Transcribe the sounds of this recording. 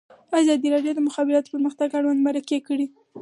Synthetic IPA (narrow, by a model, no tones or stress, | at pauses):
azɑd̪iɾɑɖjod̪əmʊxɑbɪɾɑt̪o̥pəɾməxt̪aɡaɽwand̪maɾakekəɽi